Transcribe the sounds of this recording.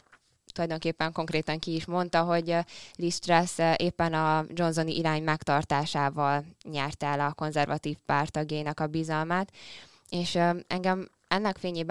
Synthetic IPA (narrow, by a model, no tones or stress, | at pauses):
t̪ulɒjd̪o̞ŋkeːpːɛŋko̞ŋkreːt̪ɒŋkiːʃmo̞nt̪ɒɦo̞ɟlist̪ɾɛsʔeːpːɛnɒd͡ʒo̞nzo̞niʔiɾaːɲmɛkt̪ɒrt̪aːʃaːvɒlɲɛrt̪ɛlɒko̞nzɛrvɒt̪iːfpaːrt̪ɒɡjejinɒkɒbizɒlmaːt̪ | eːʃɛ̰ŋɡɛm | ɛnːɛkfeːɲeːb